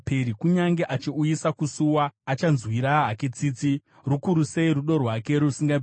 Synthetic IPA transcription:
peɾikuɲaŋɡe̞ʔat͡ʃiujisakusuwaːt͡ʃanzwiɾaɦakit͡sit͡si | rukuɾuse̞iɾuɗo̞rwake̞ɾusiŋɡa

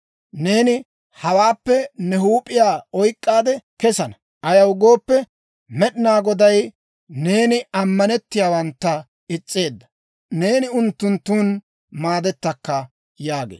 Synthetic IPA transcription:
ne̞ːnɪ | hɐwaːpːɛnɛɦuːpʼːɪjaːɔjkʼːaːd̪ɛkɛsɐnɐ | ʔɐjɐwɡo̞ːpːɛ | mɛɗɪnaːɡɔd̪ɐj | ne̞ːnɪɐmːɐnɛt̪ːɪjaːwɐnt̪ːɐ | ɪt͡sʼːe̞ːd̪ːɐ | ne̞ːnɪʊnt̪ːʊnt̪ːuːn | maːd̪ɛt̪ːɐkːɐ | jaːɡḛː

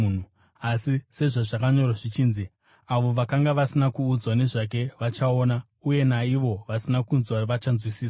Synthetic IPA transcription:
u | asise̞ʐaʐakaɲo̞raʐit͡ʃiːnzi | aʋo̞ʋakaŋɡaʋasinakuːd͡zwane̞ʐak̬e̞ʋat͡ʃaoːna | uje̞naiʋo̞ʋasinakunzwaʋat͡ʃanzwisiːsa

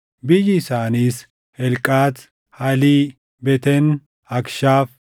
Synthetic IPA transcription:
bɪjɪsaːniːs | hɛlkʼːaːt̪ | hɐli | bɛt̪ɛn | ɐkʃaːf

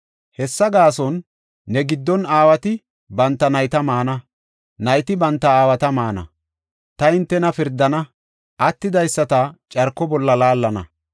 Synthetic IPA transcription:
hɛsːɐɡaːsɔnː | ɛɡɪd̪ːɔnaːwɐt̪ɪ | bɐnt̪ːɐnɐjt̪ɐmaːnɐ | nɐjt̪ɪbɐnt̪ːɐaːwɐt̪ɐmaːnɐ̰ | t̪ɐɪnt̪ːɛnɐfɪɾd̪ːɐnɐ | ʔɐt̪ːɪd̪ɐjsːɐt̪ɐt͡ʃʼɐɾkːɔbɔlːɐlaːlːɐnɐ̰

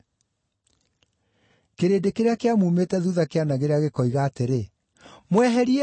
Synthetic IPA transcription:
keɾeːdekeɾeakeamumetɛðuðakeanaɣeɾeaɣekɔiɣaːteɾe | mwɛɦɛɾi

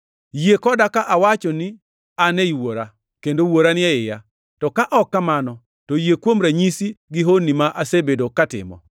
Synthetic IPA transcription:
jekɔdakaʔawat͡ʃɔnɪ | aneiwoɾa | kendowoɾanɪɛɪja | tɔkaʔɔkːamanɔ | tojekwomɾaɲisiɡɪɦonːimaʔasebedokatɪ̰mɔ̰

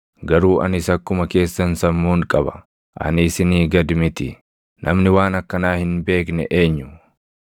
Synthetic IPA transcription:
ɡɐɾuːʔɐ̰nɪsɐkːʊmɐke̞ːsːɐnsɐmːuːŋkʼɐbɐ̥ | ʔɐ̰nɪsɪniːɡɐd̪mɪt̪ɪ | nʔɐmnɪwaːnɐkːɐnaːhɪnbe̞ːknɛ̰ʔeːɲːʊ

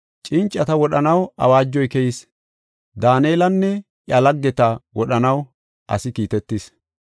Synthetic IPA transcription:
t͡ʃʼɪnt͡ʃʼːɐt̪ɐwɔɗɐnɐwɐ̰waːd͡ʒːɔjkɛjɪs | d̪aːneːlɐnːɛ | ʔjɐlɐɡːɛt̪ɐwɔɗɐnɐw | ʔɐ̰sɪkiːt̪ɛt̪ːis

